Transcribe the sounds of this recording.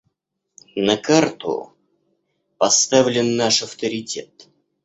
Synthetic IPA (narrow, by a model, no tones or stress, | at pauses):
nəkart̪ʊ̰ | pɐst̪avlʲɪnːaʂɐft̪əɾʲɪtʲet̪